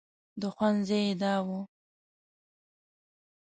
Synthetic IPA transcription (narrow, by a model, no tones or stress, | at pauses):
d̪əxwanzejed̪ɑwu